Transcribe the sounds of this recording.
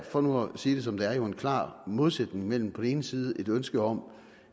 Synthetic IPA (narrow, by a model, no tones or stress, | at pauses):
fɒ̽nuæsiːd̥e̝sɒ̽md̥ɑæɐjo̝e̝nkʰlɑ̰̈ːmo̝ð̞ˠsed̥ne̝ŋmel̰m̩pʰɒ̽d̥en̩e̝ːnəsiːð̞ˠəʔe̝d̥ønsɡ̥əɒ̽m̰